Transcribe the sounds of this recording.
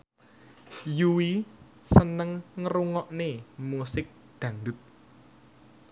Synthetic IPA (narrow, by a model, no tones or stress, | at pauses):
juwi | sənəŋːəɾuŋɔʔnemusɪk̚ | d̪̥ä̤ŋdʊt̪̚